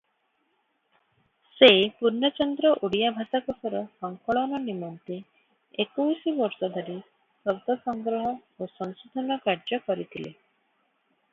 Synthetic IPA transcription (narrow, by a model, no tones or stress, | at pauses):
sepuɾnɔt͡ʃɔnd̪ɾɔʔuɽijabʱat̪akɔsɔɾɔsɔŋkɔɭɔnɔnimɔnt̪i | ekujsibɔɾsɔd̪ʱɔɾi | sɔbd̪ɔsɔŋɡɾɔɦɔosɔŋsud̪ʱɔnɔkaɾd͡ʒɔkɔɾit̪ʰilḛ